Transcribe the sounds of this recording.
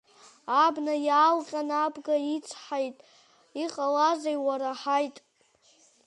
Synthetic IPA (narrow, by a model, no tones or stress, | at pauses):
abnajaːlqʲʼanabɡait͡sʷʰħajtʼ | iqʼalazajwaɾaħajtʼ